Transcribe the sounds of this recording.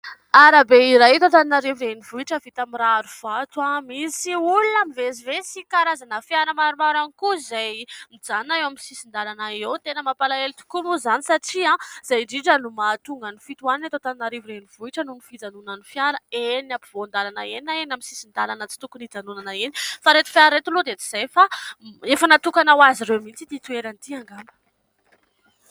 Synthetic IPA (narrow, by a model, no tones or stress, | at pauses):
aɾabeiɾajt̪ot̪aninaɾevirenivuiʈ͡ʂəvit̪amiɾaaɾuv̥at̪wamisiulunamivezivesikaɾazanəfjaɾəmaɾumaɾanikuzajmid͡zanaewaminsisind̪aɾanaewt̪enəmapalaelt̪u̥kumuzanisaʈ͡ʂiãz̥ajɖ͡ʐiʈ͡ʂənumat̪uŋɡənifit̪uaninat̪ot̪annaɾivuɾeniv̥uiʈ͡ʂənunifid͡zanunənifjaɾəenapivond̪alanaeninaenamisisind̪alanət͡si̥t̪ukunid͡zanunanəenifaɾet̪u̥fiaɾɾet̪ulud̪et͡si̥z̥ejfaefənat̪ukanawaziɾewmit͡sid̪it̪ueɾanit̪iaŋɡambə̥